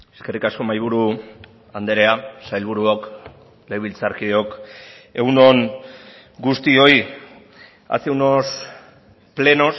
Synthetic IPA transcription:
eske̞rikasko̞majβ̞uɾu | and̪eɾe̞asajlβ̞uɾuok | leβilt͡saɾkio̞ke̞uno̞ŋ | ɡust̪io̞i | a̰t͡sewnos | ple̞no̞s

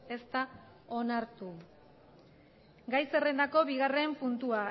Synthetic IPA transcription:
e̞st̪a | o̞naɾt̪u | ɡajse̞re̞nd̪ako̞βiɣare̞mpunt̪ua

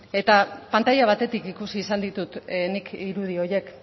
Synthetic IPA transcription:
e̞t̪apant̪ajaβ̞at̪e̞t̪ikikusiːsand̪it̪ut̪nikiɾuð̞io̞je̞k

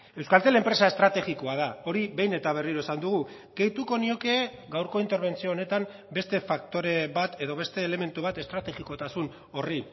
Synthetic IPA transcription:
e̞wskalt̪ele̞mpɾe̞sae̞st̪ɾat̪e̞ɣiko̞að̞ao̞ɾiβe̞jne̞t̪aβ̞e̞riɾo̞esand̪uɣ̞u | ɡ̥e̞jt̪uko̞nio̞ke̞ː | ɡawɾko̞int̪e̞ɾβ̞e̞nt͡sioːne̞t̪am | be̞st̪e̞fak̚t̪o̞ɾe̞βat̪e̞ðo̞β̞e̞st̪e̞ːle̞me̞nt̪uβ̞at̪e̞st̪ɾat̪e̞ɣiko̞t̪asun | o̞ri

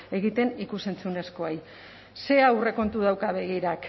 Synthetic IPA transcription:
e̞ɣ̞it̪e̞nikuse̞nt͡sune̞sko̞aj | se̞awre̞ko̞nt̪uð̞awkaβe̞ɣ̞iɾak

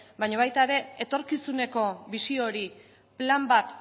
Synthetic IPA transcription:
bajɲaβ̞ajt̪aeɾe̞et̪o̞ɾkisune̞ko̞βisio̞ɾi | plambat̪

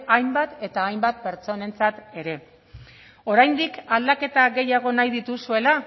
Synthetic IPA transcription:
ajmbat̪e̞t̪aːjmbat̪̚pe̞ɾt͡so̞ne̞nt͡sat̪e̞ɾe̞ | o̞ɾajnd̪ikald̪ake̞t̪aɣe̞jaɣ̞o̞najðit̪usue̞la

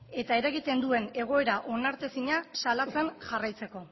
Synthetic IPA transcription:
e̞t̪ae̞ɾaɣit̪e̞nd̪ue̞ne̞ɣ̞o̞e̞ɾaʔo̞naɾt̪esiɲasalat͡se̞nʝarajt͡se̞ko̞

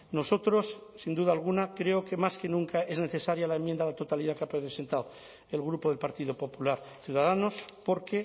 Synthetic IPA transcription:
no̞so̞t̪ɾo̞sːind̪uðalɣ̞unakɾe̞oke̞maske̞nũŋkae̞zne̞θe̞saɾjalaemjend̪alat̪o̞t̪aliðakeapese̞nt̪aw | e̞lɣɾupo̞ð̞e̞lpaɾt̪iðopo̞pulaɾ | θjuð̞aðano̞spo̞ɾke̞

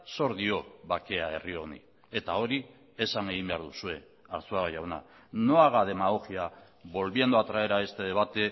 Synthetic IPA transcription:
so̞ɾðio̞βake̞ae̞̰rio̞nḭ | e̞t̪ao̞ɾi | esaŋeɣ̞imbe̞aɾðusue̞ | aɾt͡suaɣoʝawna̰ | no̞aɣað̞e̞maɣoxia | βo̞lβiend̪oat̪ɾaβe̞ɾae̞st̪e̞ðe̞β̞at̪e̞

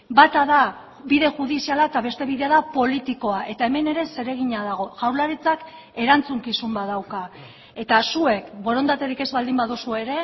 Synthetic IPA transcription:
bat̪aða | biðe̞ʝuðisialaet̪aβe̞st̪e̞βiðe̞aðapo̞lit̪iko̞aʔe̞t̪ae̞me̞ne̞ɾe̞se̞ɾe̞ɣ̞iɲaðaɣ̞o̞ʝawɾlaɾit͡sak | e̞ɾant͡suŋkisumbaðawka | e̞t̪asue̞kbo̞ɾo̞nd̪at̪e̞ɾike̞zβald̪imbaðusue̞ɾe̞

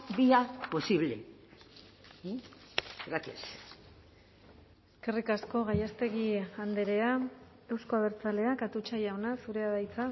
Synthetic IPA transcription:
biapo̞siβle | eɾakis | eske̞rikasko̞ɣajast̪e̞ɣiand̪e̞ɾe̞a | e̞wsko̞aβe̞ɾt͡sale̞akat̪ut͡ʃajawnasuɾe̞aðajt͡sa

